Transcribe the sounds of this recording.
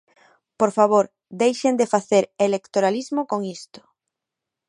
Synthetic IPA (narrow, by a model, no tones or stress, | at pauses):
poɾfaβoɾ | d̪ejʃend̪efaθeɾelekt̪oɾalizmokoŋist̪ʊ̥